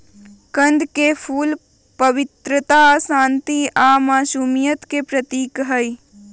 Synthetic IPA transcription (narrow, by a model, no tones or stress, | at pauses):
kɐ̃nd̪kepʰuːl | pɐʋɪt̪ɾət̪asãːnt̪iamaːsuːmijət̪kepɾət̪iːkɦəj